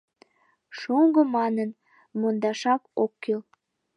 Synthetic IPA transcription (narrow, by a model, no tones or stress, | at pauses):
ʃuŋɡomɑnən | mond̪ɑʃɑkokːel